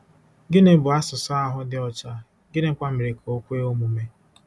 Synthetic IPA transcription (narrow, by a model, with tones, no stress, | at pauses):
ɡɪ˦ne˨˦bʊ˨a˦sʊ˨sɔ˦a˦ɦʊ˦dɪ˦ɔ˨t͡ʃa˦ | ɡɪ˦ne˨˦kʷa˦me˨ɾe˨kʰo˦kʷe˦o˦mu˨me˦